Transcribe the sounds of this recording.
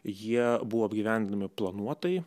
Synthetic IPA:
jiɛbuʋoːɐbʲɡʲiʋʲæˑnʲd̪ʲɪnɐmʲɪplˠɐnuɔt̪ɐj

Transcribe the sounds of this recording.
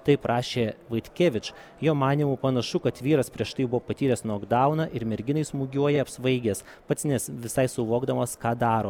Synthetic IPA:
t̪ɐɪpɾʔɑːʃʲeːʋɐɪt̪ʲkʲeːʋʲɪt͡ʃ | joːmɑːnʲiːmuːpɐnɐʃʊkɐt̪ʋʲiːɾɐspʲɾʲiɛʃt̪ɐɪbʊʋoːpɐt̪ʲiːɾʲɛsnoːɡd̪ɐʊnɑʔɪɾmʲɛɾʲɡʲɪnɐɪsmuːɡʲuɔjɛɐpsʋɐɪɡʲes | pɐt̪snʲɛsʋʲɪsɐɪsʊʋoːɡd̪ɐmɐskɑːd̪ɑːɾoː

